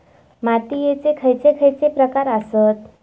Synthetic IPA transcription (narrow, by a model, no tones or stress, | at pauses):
mat̪ijet͡sekʰəjt͡sekʰəjt͡sepɾəkaɾəsət̪